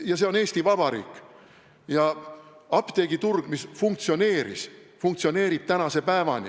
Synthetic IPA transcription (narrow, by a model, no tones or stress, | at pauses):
jɑse̞o̞ne̞ːst̪ivɑb̥ɑɾḭːkːˑ | jɑɑpt̪eɡ̥it̪urɡ̥misfuŋk̚t̪sio̞ne̞ːɾḭsfuŋk̚t̪sio̞ne̞ːɾib̥̚t̪ænɑse̞pæevɑ̰nʲḭ